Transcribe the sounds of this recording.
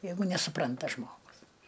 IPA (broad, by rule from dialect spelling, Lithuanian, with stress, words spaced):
ˈjɛɪɡʊ nʲɛsʊˈprɐntɐ ˈʒmoːɡʊs